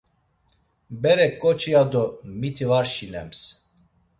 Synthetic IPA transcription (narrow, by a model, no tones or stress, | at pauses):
bɛɾɛkʼːɔt͡ʃʰʼiad̪ɔmit̪ʰivaɾʃinɛ̰ms